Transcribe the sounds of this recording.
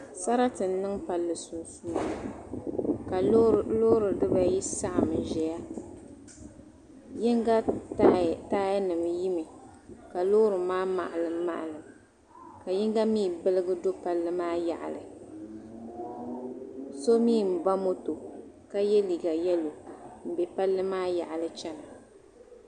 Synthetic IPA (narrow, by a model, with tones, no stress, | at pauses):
sa˦ɾa˦tɨ˨n˦nɨ˦ŋpa˨lːɨ˨su˨nsu˦˨ | ka˨˦lo˦ɾɨ˨dɨ˦ba˦ji˦sa˦ʔa˨mɨ˨n˨ʒɛ˨ja˦ | ji˦ŋɡa˦ | taː˦ja˦nɨ˨mji˦mɨ˨ | ka˨lo˦ɾɨ˨maː˦ma̰˨ʔa˨lɨ˨mːa̰˨ʔa˨lɨ˨m | ka˨ji˦ŋɡa˦miː˦˨bɨ˦lɨ˦ɡɨ˦do˦pa˨lːɨ˦maː˦ja̰˨ʔa̰˨lɨ˨ | so˦miː˦˨m̩˨ba˦mo˦to˨ | ka˦jɛ˦li˨ɡa˨jɛ˦lo˨m̩˨be˨pa˦lːɨ˦maː˦ja̰˨ʔa˨lɨ˦t͡ʃɛ˦na˨